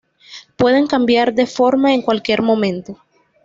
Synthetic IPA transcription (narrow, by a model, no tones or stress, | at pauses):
pwe̞ðe̞ŋkambjaɾd̪e̞fo̞ɾmaeŋkwalkje̞ɾmõ̞mẽ̞nt̪o̞